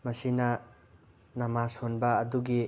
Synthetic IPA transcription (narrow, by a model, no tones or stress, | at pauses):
mɐsinɐ | nɐmasonbɐːduɡi